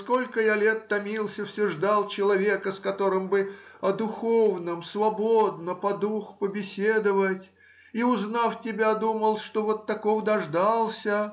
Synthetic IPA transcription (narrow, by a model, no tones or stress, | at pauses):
sko̞lʲkəjalʲe̞t̪ːɐmʲilˠsʲəfsʲʊʐd̪alˠt͡ɕɪlˠɐvʲe̞kəskɐt̪o̞ɾɨmbɨɐd̪ʊxovnəmsvɐbod̪̚nəpɐd̪uxpəbʲɪsʲed̪əvətʲ | iʊznaftʲɪbʲad̪uməlˠʂt̪o̞vo̞t̪ːɐkovd̪ɐʐd̪alˠsʲə